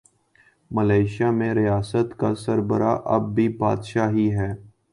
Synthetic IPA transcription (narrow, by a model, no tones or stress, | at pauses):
məlaːɪʃjaːmẽɾɪjaːsət̪kasəɾbəɾaʔɐb̚ːiba̰ːd̪ʃaːɦiɦɛː